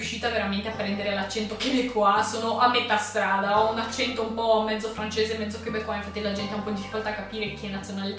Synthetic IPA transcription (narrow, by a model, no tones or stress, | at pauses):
juʃːiːt̪aveɾament̪eapːɾɛnd̪eɾealat͡ʃːɛnt̪okeɛkʰːwasoːnoʔamːet̪ast̪ɾaːd̪aɔunat͡ʃːɛnt̪oumpɔmːɛd̪zːofɾant͡ʃeːzemːɛd̪zːokibekwanafat̪ːilad͡ʒɛnt̪eaumpɔind̪ifikolt̪aːkːapiːɾek̟iɛnːat̪sjonaːle